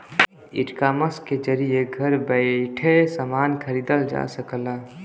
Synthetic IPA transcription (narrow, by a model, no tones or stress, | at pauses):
ḭʈkaməsked͡ʒəɾijeɡʱəɾbəɪʈʰesəmaːnkʰəɾiːd̪əld͡ʒa̰səkəla